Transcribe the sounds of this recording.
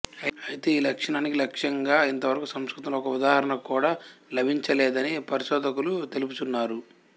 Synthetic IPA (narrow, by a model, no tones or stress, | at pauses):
ɐjit̪eːiːlɐkʂɐɳaːnikilɐkʂjɐŋɡaːint̪ɐʋɐɾɐkusɐmskɾut̪ɐmloːɔkɐud̪aːɦɐɾɐɳɐkuːɽaːlɐbʱiɲt͡ʃɐlɛːd̪ɐnipɐɾiʃɔːd̪ɐkulut̪eluput̪unːaːɾu